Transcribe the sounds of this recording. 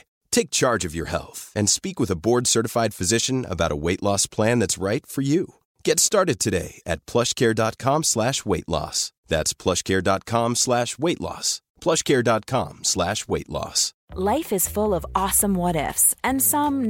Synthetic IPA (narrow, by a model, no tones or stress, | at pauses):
tʰeɪk̚t͡ʃʰɑɹd͡ʒʌvjə̰˞hɛ̰lˠθɨ̃nspikwəðəbɔɹdsɜ˞ɾəfaɪd̥fɨzɪʃɨ̃nə̰baʊɾə̰weɪʔˡlɔspʰl̥æ̃nðætsɹaɪtfə˞ju | ɡ̥ɛtstɑɹɾɨd̚tʰɨɾḛɪɨ̰t̚pʰl̥ʌʃkʰɛɹdɑt̚kʰɑ̃mslæʃweɪʔˡlɔ̰s | ðæ̰tspʰl̥ʌʃkʰɛɹdɑt̚kʰɑ̃mslæʃweɪʔˡlɔ̰s | pʰl̥ʌʃkʰɛɹdɑt̚kʰɑ̰̃mslæʃweɪʔˡlɔ̰s | laɪfɨz̥fʊlˠʌvɔsə̃mwɔɾɛ̰fsɨ̃nsʌ̃m